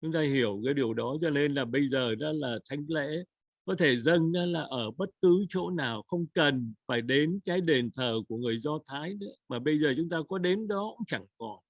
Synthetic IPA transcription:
t͡ɕʊ˨˦ŋ͡mt̪aː˧ɦi˧˩əwkəː˨˦jɗi˨˩əwɗɔ˨˦t͡ɕɔ˧ne˧nlaː˨˩ɓə˧jzəː˨˩na˨˦laː˨˩t̪ʰa˨˦jŋ̟lḛ˧˥ | kɔ˨˦t̪ʰe˧˩zə˧nnaː˨˦laː˨˩ʔəː˧˩ɓə˦˥t̚kɨ˨˦t͡ɕo̰˧˥naː˨˩wxə˧wŋ͡mkə˨˩nfaː˧˩jɗe˨˦nkaː˨˦jɗe˨˩nt̪ʰəː˨˩ku˧˩əŋɨ˨˩əjzɔ˧t̪ʰaː˨˦jnɨ̰˧˥maː˨˩ɓə˧jzəː˨˩t͡ɕʊ˨˦ŋ͡mt̪aː˧kɔ˨˦ɗe˨˦nɗɔ˨˦kʊ̰˧˥ŋ͡mt͡ɕa˧˩ŋkɔ˨˩n

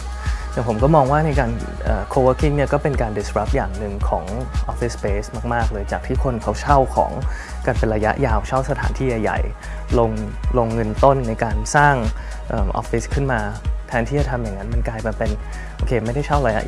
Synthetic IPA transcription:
ja˨˩pʰo˩˦mkɔː˥˩mɔː˧ŋwaː˥˩na˧jkaː˧n | ʔəː˨˩kʰoː˧wəː˦˥kʰi˥˩ni˥˩ɐkɔː˥˩pe˧nkaː˧ndi˧sɾa˦˥p̚jaː˨˩ŋnɯ˧ŋkʰɔ̰ː˩˦ŋʔɔ˦˥fi˦˥speː˦˥smaː˥˩k̚maː˥˩k̚lɤː˧jt͡ɕaː˨˩k̚t̪ʰiː˥˩kʰo˧nkʰa˦˥wt͡ɕʰa˥˩wkʰɔ̰ː˩˦ŋ | ka˧npe˧nɾa˧ja̰˦˥ʔjaː˧wt͡ɕʰa˥˩wsa˧t̪ʰa̰ː˩˦nt̪ʰiː˥˩ja˨˩jːa̰˨˩j | lo˧ŋ | lo˧ŋːɤ˧nt̪o˥˩nːa˧jkaː˧nsaː˥˩ŋ | ʔɤː˨˩mʔɔ̰˦˥fi˦˥skʰɯ˥˩nmaː˧t̪ʰɛː˦˥nt̪ʰiː˥˩t͡ɕa˨˩t̪ʰa˧mja˨˩ŋːa˦˥nma˧nklaː˧jpe˧pe˧n | ʔoː˧kʰeː˧ma˥˩jda˥˩jt͡ɕʰa˥˩wɾa˧ja̰˦˥

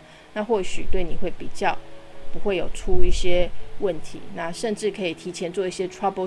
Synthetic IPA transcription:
na˥˧xwɔ˥˩ɕy˨˩t̪we˥˩ɪni˨˩we˥˩ɪpi˨˩t͡ɕjɑ˥˨ʊpu˧˦xwe˥˩ɪjo˨˩ʊʈ͡ʂʰu˦i˥˩ɕjɛ˦wə˥˩nt̪ʰḭ˨˦na˥˩ʂə˥˧nʈ͡ʂɻ̩˥˩kʰɤ˧˥i˨˩t̪ʰi˧˥t͡ɕʰjɛ˧˥nt͡swɔ˥˧i˥˩ɕjɛ˦˥ʈ͡ʂʰwa˥po˧

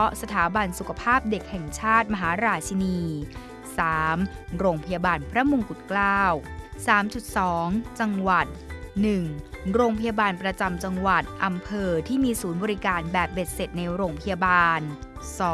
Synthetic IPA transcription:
ɔ˦˥sa˧t̪ʰaː˩˦ba˧nsu˨kʰa˧pʰaː˥˩p̚de˨˩k̚hɛ˨˩ŋt͡ɕʰaː˥˩t̪̚ma˧ɦaː˩˦ɾaː˧t͡ɕʰa˧niː˧ | saː˩˦m | ɾoː˧ŋpʰa˧jaː˧baː˧npʰɾa˦˥mu˧ŋku˨˩t̪̚klaː˥˩wsaː˩˦mt͡ɕu˨˩t̪̚sɔː˩˦ŋt͡ɕa˧ŋwa˨˩t̪̚nɯ˨˩ŋɾoː˧ŋpʰa˧jaː˧baː˧npɾa˧t͡ɕa˧mt͡ɕa˧ŋwa˨˩t̪̚ʔa˧mpʰɤː˧t̪ʰiː˥˩miː˧suː˩˦nbɔː˧ɾi˦˥kaː˧nbɛː˨˩p̚be˨˩t̪̚se˨˩t̪̚na˧jɾoː˧ŋpʰa˧jaː˧baː˧n | sɔː˩˦

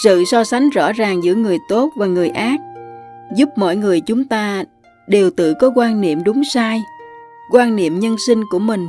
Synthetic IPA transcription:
sɨ̰˧˨sɔ˧sa˨˦jŋ̟zɔ̰˧˥zaː˨˩ŋzɨ̰˧˥ŋɨ˨˩əjt̪o˦˥t̚vaː˨˩ŋɨ˨˩əjʔaː˦˥k̚zu˦˥p̚mɔ̰˧˨jŋɨ˨˩əjt͡ɕʊ˨˦ŋ͡mt̪aː˧ | ɗe˨˩wt̪ɨ̰˧˨kɔ˨˦kwaː˧nnḭ˧˨əmɗʊ˨˦ŋ͡msaː˧jkwaː˧nnḭ˧˨əmɲə˧nsï˧ŋ̟ku˧˩əmï˨˩ŋ̟

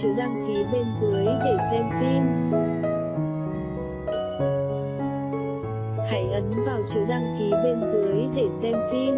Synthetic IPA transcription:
ɨ˨˦ɗaː˧ŋki˨˦ɓe˧nzɨ˨˦əjɗ̪e˧˩sɛ˧mfi˧m | ha̰ː˧˩jʔə˨˦nvaː˨˩wt͡ɕɨ˨˦ɗaː˧ŋki˨˦ɓe˧nzɨ˨˦əjt̪e˧˩sɛ˧mfi˧m

